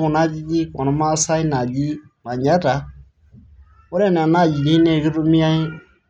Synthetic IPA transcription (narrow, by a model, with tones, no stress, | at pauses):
kʊ˨na˦d͡ʒi˦d͡ʒi˦kɔ˨nɔ˦ma˦sa˦i˦na˨d͡ʒi˦ | ma˨ɲa˦ɾa˨ | ʊ˦ɾɛ˦˨n˨a˨na˦˨d͡ʒi˨di˦nɛ˦˨ɡɪ˦ɾu˦mi˦a˦i˦